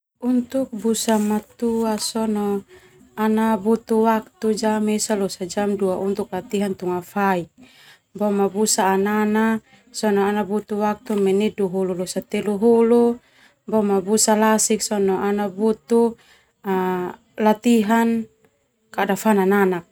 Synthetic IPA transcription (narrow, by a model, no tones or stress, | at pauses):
unt̪uk̚busamat̪uasɔnɔ | anabut̪uwak̚t̪ud͡ʒamɛsalɔsad͡ʒamduaʔunt̪uk̚lat̪iɦant̪uŋafaik̚ | bɔmabusaːnana | sɔnɔanabut̪uwak̚t̪umɛniduɦululɔsat̪ɛluɦulu | bɔmabusalasik̚sɔnɔʔanabut̪u | a | lat̪iɦan | kadafanananak̚